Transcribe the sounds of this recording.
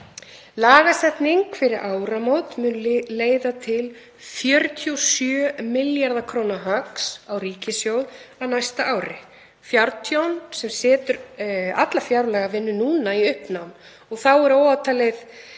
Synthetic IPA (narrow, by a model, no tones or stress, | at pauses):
laːɣasɛt̪niŋkfɪɾɪɾʔaːwɾamowt̪mʏːnleːjðat̪ʰɪl | fjœɾt̪ʰjowsjœːmɪljaɾðakʰɾoːwnaɦaksawriːcɪsjowðawnajst̪aʔaːwɾɪ | fjawɾt̪ʰjownsɛmsɛːt̪ʏɾa̰t̪lafjawɾlɛɣavɪnːʏnuːnaiʏhpnawn | ɔɣθawɛɾowawt̪ʰaleð